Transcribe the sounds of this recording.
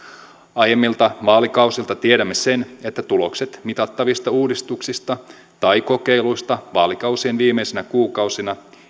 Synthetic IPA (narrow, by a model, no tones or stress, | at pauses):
ɑjemːilt̪ɑʋɑːlikɑwsilt̪ɑt̪ieɾæmːe̞se̞ne̞t̪ːæt̪ulo̞kse̞t̪mit̪ɑt̪ːɑʋist̪ɑuːdist̪uksist̪ɑ | t̪ɑjko̞ke̞jluist̪ɑʋɑːlikɑwsienʋiːmejsenækuːkɑwsinɑ